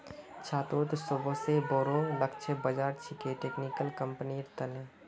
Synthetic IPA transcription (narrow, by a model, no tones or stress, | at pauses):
t͡ʃʰaːt̪oːɾt̪sʊbʱoseboːɾõləkt͡ʃʰebəd͡ʒaːɾt͡ʃʰɪkeʈeːknikəlkəmpəniɾt̪ənẽ